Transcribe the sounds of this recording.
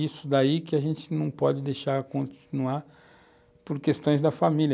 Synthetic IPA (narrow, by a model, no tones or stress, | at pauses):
isʊd̪aikɪaʒẽnt͡ʃɪnɐ̃w̃pɔd͡ʒɪd̪ejʃaɾkõt͡ʃinuaɾ | poɾkest̪õj̃zd̪ɐfamilʲ